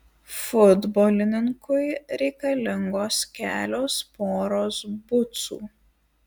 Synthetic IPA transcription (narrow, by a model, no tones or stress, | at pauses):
fʊd̪boːlʲɪnʲɪŋkʊɪɾʲɛɪkɐlʲɪŋɡoːskʲæ̰ːlʲoːspoːɾoːsbʊt̪sṵː